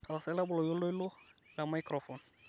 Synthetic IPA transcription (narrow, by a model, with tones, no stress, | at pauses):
ta˨sɛ˦la˦bʊ˨lɔ˨jo˦lo˦i˦lʊ˦la˨ma˦jkɾɔ˨fɔ˨n